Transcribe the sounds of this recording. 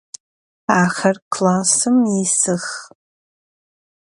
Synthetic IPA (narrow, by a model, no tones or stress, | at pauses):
aχarkʰlasɨmisɨχ